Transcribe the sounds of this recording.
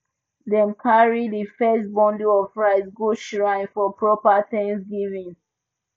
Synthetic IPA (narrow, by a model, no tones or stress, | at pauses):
dɛ̃mkʰaɹidifɛs̚bɔ̃nduɔvɹaɪsɡuʃɹãɪ̃nfɔpʰɹɔpaθɛ̃ŋsɡivĩŋ